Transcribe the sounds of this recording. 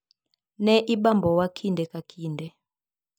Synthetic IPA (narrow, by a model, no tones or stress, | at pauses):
nɛʔiɓambʱɔwakʰindʱɛkʼakʰiːndʱɛ